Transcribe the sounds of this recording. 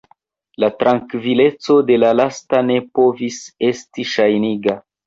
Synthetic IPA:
latɾaŋkvile̞t͡so̞de̞lalastane̞po̞vise̞stiʃajniɡa

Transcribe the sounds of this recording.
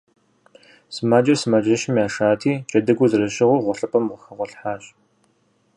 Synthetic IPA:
sɨmaːd͡ʒɐrsɨmad͡ʒɐʃɪmjaːʃaːtʰiːt͡ʃʼɐdɨɡʷʊzɨrɐʃɪʁʷʊrʁʷɔɬɐpʰʼɐmʁəxɐʁʷɔɬħaːɕ

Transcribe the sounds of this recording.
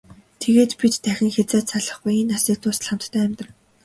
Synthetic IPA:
t̪ʰeɣeːt̪pit̪t̪ʰːæxʲɪ̆ŋxet͡saːt̪saɮə̆χɡujinːasiːk̚t̪ʰʊːsɮăm̥t̪ːʰæːmʲt̪rə̆n

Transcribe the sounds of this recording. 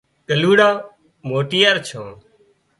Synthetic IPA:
kəluːɽaː | moːʈijəɾt͡ʃʰõː

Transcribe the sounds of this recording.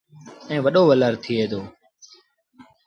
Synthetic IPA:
ɛ̃ːʋəɗoːʋələɾt̪ʰiːeːd̪oː

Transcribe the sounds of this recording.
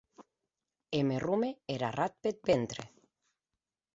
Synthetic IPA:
emerumeeɾa̰rat̪̚pet̪̚bent̪ɾḛ

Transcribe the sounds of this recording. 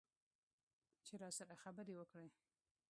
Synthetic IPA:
t͡ʃeɾɑsaɾaxabəɾewəkɽe

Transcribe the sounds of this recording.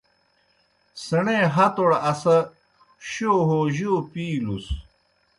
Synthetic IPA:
sɐɳeɦɐt̪oɽɐsɐ | ɕoːɦoʑoːpiːlus

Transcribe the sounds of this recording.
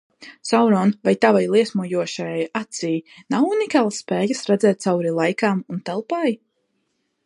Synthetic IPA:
sawɾɔːnvajt̪avajlˠiɛsmuɔjuɔʃajajat̪sijnawunikaːlˠsːpɛːjasɾɛd̪zɛːt̪̚t̪sawɾilˠajkaːmunt̪ɛlˠpaːj

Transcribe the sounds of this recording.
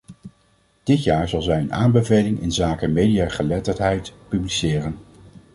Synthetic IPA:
d̥ɪtjaːɹzɑlˠzɛjənaːmbəvejlɪŋɪ̰nzaːkəmejdiaːχəlɛtəɹtɦɛjtpyblisɪːrən

